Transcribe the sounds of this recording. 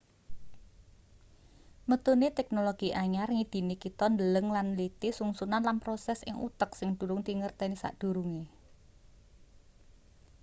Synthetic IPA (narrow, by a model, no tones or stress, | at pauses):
mət̪unet̪ɛk̚noloɡ̥iʔaɲarŋid̪̥i̤nikit̪ɔnd̪ələŋlanlit̪isuŋsunanlanpɾosɛsɪ̰ŋṵt̪əksɪŋd̪̥ṳlʊŋd̪iŋərt̪ɛnisa̰ʔd̪̥ṳɾuŋe